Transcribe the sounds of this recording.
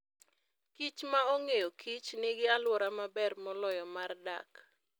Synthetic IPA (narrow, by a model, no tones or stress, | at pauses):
kit͡ʃmaoŋejokʰit͡ʃnɪɡɪalwɔɾamabɛrmɔlɔjɔmarda̰k